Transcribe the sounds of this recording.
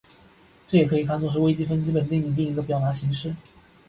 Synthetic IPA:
ʈ͡ʂɤ˥˩jɛ˨˩kʰɤ˧˥i˨˩kʰa˥˧nt͡sɔ˥˧ŋʂ̬̩˥˧we˥ɪt͡ɕi˥fə˥nt͡ɕi˥pə˨˩nt̪i˥˩ŋi˥˩t̪i˥˩ŋi˧˥ŋɡə˧pjɑ˨˩ʊt̪a˧˥ɕi˧˥ŋʂɻ̩˥˩

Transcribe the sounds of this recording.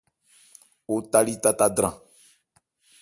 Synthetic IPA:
o˦t̪a˦li˦t̪a˦ta˦dɾã˨

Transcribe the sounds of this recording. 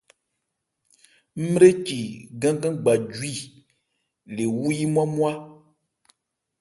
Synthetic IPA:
m̩˦m˦ɾe˦t͡ʃi˨ɡã˦ɡã˦ɡ͡ba˨d͡ʒwi˦˨ | le˨wu˦ji˦mũ˦a˦mu˦a˦

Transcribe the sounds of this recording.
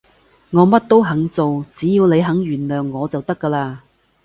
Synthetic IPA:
ŋɔː˨˧mɐ˥t̚t̪o˥wɦɐ˨˥ŋt͡so˨wt͡siː˨˥jiː˨˧wne˨˧jɦɐ˨˥ŋɥyː˨˩nlœː˨ŋːɔː˨˧t͡sɐ˨wt̪ɐ˥kːɐː˧laː˧

